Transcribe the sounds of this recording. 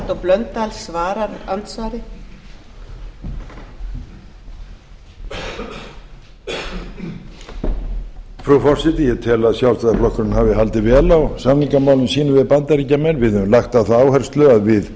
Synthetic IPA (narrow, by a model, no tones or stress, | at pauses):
t̪ɔplœnt̪alsvaːɾaɾalt̪svaːɾɪ | fɾufɔr̥sɛt̪ɪjɛt̪ʰɪlaðsjawrst̪aðaflɔhkʏɾʏnhavɪɦalt̪ɪvɛːlawsamniŋkamaːwlʏmsiːnʏvɪðpant̪aɾicːamɛnvɪðʏmlaxt̪aθaaːwhɛr̥st̪lʏaðvɪð